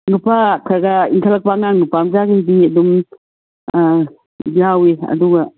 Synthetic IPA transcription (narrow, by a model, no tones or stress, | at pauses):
nupʰakʰaɾɡaiŋkʰalak̚paŋanupamzaɡaidiɐdum | jaweɐ̰duɡa